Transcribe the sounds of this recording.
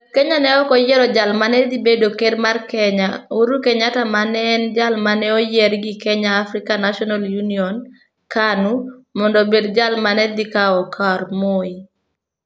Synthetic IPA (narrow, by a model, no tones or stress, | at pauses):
kɛɲanɛɔkɔjɛɾɔd͡ʒalmanɛd̪ibedokedmarkɛɲauɾukeɲatamanɛnd͡ʒalmanɛojɛɾɡikɛɲaːfɾɪkanaʃɔnaljuniɔn | kanumɔndɔbedd͡ʒalmanɛd̪ikaɔkʰaɾmoi